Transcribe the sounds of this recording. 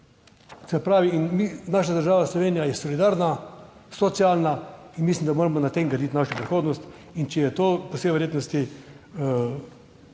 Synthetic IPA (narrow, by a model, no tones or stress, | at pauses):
sɛpɾaːʋiinminaʃad̪əɾʒaːʋaslɔʋeːnijajɛsɔlid̪aːɾnasɔt̪sialnainmislʲimd̪amoːɾamɔnat̪eŋɡɾɐd̪it̪ʲnaʃjopɾixoːd̪nɔst̪ | int͡ʃɛjɛt̪oːpɔseʋɛɾjeːt̪nɔst̪i